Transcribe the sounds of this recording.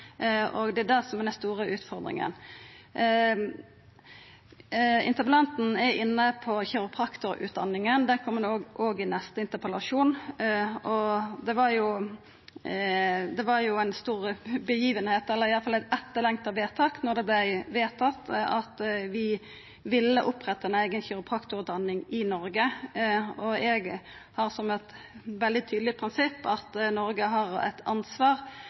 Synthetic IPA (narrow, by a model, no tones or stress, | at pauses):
ɔɡd̪ɛæd̪æʁsɔmæd̪ɛst̪uːʁəʉːt̪fɔʁd̪ɾɪ̰ŋə̰n | ɪ̰nt̪əpəlɑnt̪n̩ɛɾɪnːəpʰɔçɛɾʊpʰʁɑkt̪ʊɾʉ̰ːt̪̚d̪ɑnːɪŋənd̪ɛkʰɔmːənoːɡʔoːɡɪnɛst̪əɪnt̪əpəlɑʂuːnʔɔd̪ɛʋɑɾjʊ | d̪ɛʋɑɾjʊæɪnst̪uːɾəbəjiːʋənheːt̪ɛlːəɾɪjɑlfɑlæɪt̪ɛt̪ːəlɛŋt̪ɑʋeːt̪ʰɑːknɔʁd̪ɛblæɪʋeːt̪ʰɑt̪ːɑt̪ʋɪ | ʋɪlːəʔʊpʁɛt̪ːɑɛnæɪɡənçɪɾʊpʰɑkt̪ʊʉt̪ːɑnːɪŋɪnɔɾɡə | ɔɛɡ | hɑʁsɔmɛt̪ | ʋɛld̪ɪt̪ʰyːd̪lɪəpʰɾɪnsɪpːɑt̪nɔɾɡəɦɑʁæ̰ɪt̪ʰɑnsʋɑːʁ